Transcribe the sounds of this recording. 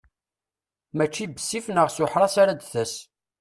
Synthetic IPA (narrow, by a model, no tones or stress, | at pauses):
mæt͡ʃːibəsːifnəʁsʊħɾˤɑsaɾad̪θəs